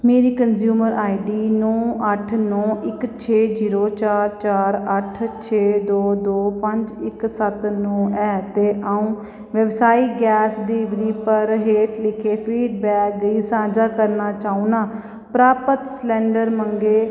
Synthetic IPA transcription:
meːɾiːkənzjuːməɾʔaːiɖiːnɔ̃ːʔəʈʰnɔ̃ːʔɪkt͡ʃʰeːziːɾoːt͡ʃaːɾt͡ʃaːɾəʈʰt͡ʃʰeːd̪oːd̪oːpəɲd͡ʒɪksət̪nɔ̃ːɛːt̪eːʔaːũː | ʋəʋsaːiːɡɛːsɖiːʋɾiːpəɾɦeːʈlɪkʰeːpʰiːɖbɛːk̚ɡəiːsãːd͡ʒaːkəɾnaːt͡ʃaːuːnaː | pɾaːpət̪slɛ̃ːɳɖəɾməŋɡeː

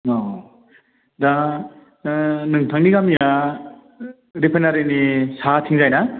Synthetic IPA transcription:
ɔ | da | nɯŋtʰaŋniɡamija | ɾipʰenaɾenisatʰiŋzajna

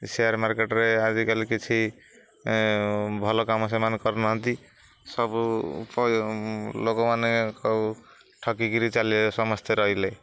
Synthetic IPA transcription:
seaɾmaɾkeʈɾead͡ʒikaliket͡ʃʰi | bʱɔlokams̬emankɔɾnɔɦʌ̃nt̪i | sʌbp | lokomanekɔ | ʈʰʌkikiɾit͡ʃalisɔmʌst̪ʰeɾʌɦile

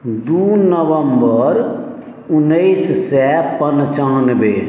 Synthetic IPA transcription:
d̪unəbəmbəɾ | unːəɪssɛpənt͡ʃanbe

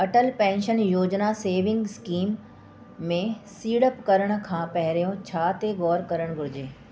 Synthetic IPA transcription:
ɐʈəlpɛ̃ːnʃənjoːd͡ʑnaseːʋɪ̃ŋɡskiːmː | ẽsiːɽəpkɐɾəɽ̃ʊ̆kʰãːpɐɦɪɾijõt͡ɕʰaːt̪eɡɔːɾkɐɾəɽ̃ɡʱʊɾɪd͡ʑeː

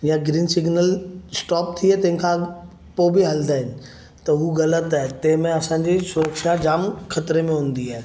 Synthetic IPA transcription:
jãɡɾiːnsɪɡnəlsʈɔːp̚t̪ʰiat̪ɐ̃ɦɪ̃nkʰã | poːbiɦɐld̪aːɦɪnɪ̆ | t̪ɐɦuɣɐlət̪aːɦet̪ɐ̃ɦɪ̃mẽɐsãɲd͡ʑisʊɾəkʃad͡ʑaːmkʰɐt̪ɾemẽɦũːn̆d̪iaːɦe

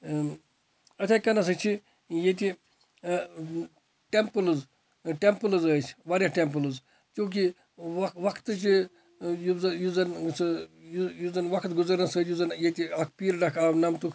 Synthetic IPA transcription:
ɐt̪ʲʰakɐnɐs̬ɐt͡ʃʰi | jet̪̬ʲi | ʈempɨlɨz | ʈempɨlɨzəːt͡ʃʰʋaːɾʲjaʈempɨlɨz | t͡ʃũːk̬i | ʋɐkʋɐkʰt̪ɨt͡ʃi | juzɐjuzɐnsɨjujuzɐnʋɐkʰt̪ɡuzɐɾnɐsət͡ʃjuzɐnjet̪ʲiɐkʰpiːɾɖɐkʰaːʋnɐmt̪ukʰ

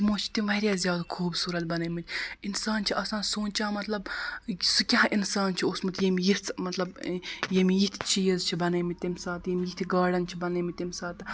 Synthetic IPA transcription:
tmoːt͡ʃʰi̥t̪imʋɐɾʲjaːzʲjaːd̪kʰuːbsuːɾɐt̪̚bɐnɐmit̪ʰʲinsaːnt͡ʃʰiʔɐːsaːnsoːnt͡ʃaːmɐt̪lɐbsukʲaɦʔinsaːnt͡ʃʰioːsmɐt̪jemijiɾt͡smɐt̪lɐbjemijit̪ʲʰt͡ʃiːjɐzt͡ʃʰibɐnɐjmit̪imʲsaːt̪jemʲjit̪ʰʲɡaːɖɐnt͡ʃʰibɐnɐmit̪imʲsaːt̪

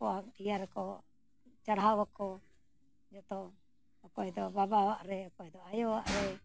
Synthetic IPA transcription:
pɔaijaɾɛkɔ | t͡ʃaɽaɦawakɔ | d͡ʒɔt̪ɔ | ɔkɔɛd̪ɔbabawaʔɾɛɔkɔɛd̪ɔajɔwaʔɾɛ

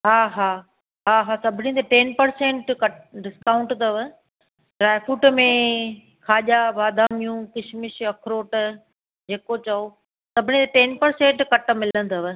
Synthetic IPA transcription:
ɦaːɦaː | ɦaːɦaːsɐbʱɽĩt̪eʈeːnpɐɾsẽːʈkɐʈɖɪskaːʊ̃ɳʈt̪ɐʋ | ɖɾaːjfʰuːʈmẽ | kʰaːʄabaːd̪ʱaːmijũkɪʃʰmɪʃɐkʰɾoːʈ | d͡ʑeːkot͡ɕɐo | sɐbʱɪñĩt̪eʈeːnpɐɾsẽːɳʈkɐʈ̆mɪlən̆t̪ɐʋ

